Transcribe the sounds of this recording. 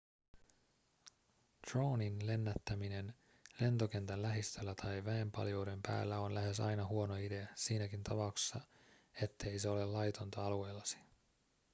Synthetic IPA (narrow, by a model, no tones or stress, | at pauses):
t̪ro̞wninle̞nːæt̪ːæmine̞n | le̞nt̪o̞k̟e̞nt̪ænlæɦist̪ø̞lːæt̪ʰɑjʋæempɑ̰ljo̞ːde̞mpæ̰ːlːæo̞nlæɦe̞sɑ̰jnɑɦuo̞no̞ide̞æsiːnækint̪ʰɑpɑukse̥sːɑ | e̞t̪ːe̞ijse̞o̞le̞llɑjt̪ont̪ɑɑlue̞jlːɑsi̥